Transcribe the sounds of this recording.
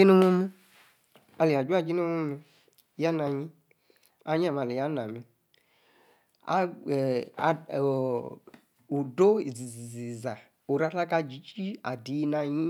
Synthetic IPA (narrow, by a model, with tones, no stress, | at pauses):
i˦no˦mo˦mi˦ | a˨li˨a˨d͡ʒu˦a˦˨d͡ʒi˦no˦mo˦mi˧˦ | ja˦na˨ɲĩ˦ | a˦ɲ˦a˦˨m˨a˨li˨ja˦na˨mi˨ | a̰˦˨ | u˨do˦i˨zi˨zi˨zi˨za˨ | o˨ɾa˦ta˦ka˧d͡ʒi˨˦t͡ʃi˦a˨di˨˦i˧na˧ɲĩ˦